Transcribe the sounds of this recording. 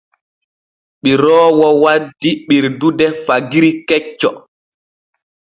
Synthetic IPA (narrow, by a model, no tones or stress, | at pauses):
ɓiɾɔːwɔwadːiɓiɾdudɛfaɡiɾikɛt͡ʃːɔ